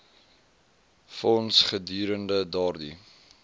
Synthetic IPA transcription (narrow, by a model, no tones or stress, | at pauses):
fɔnsχədyːɾəndədɑrdḭ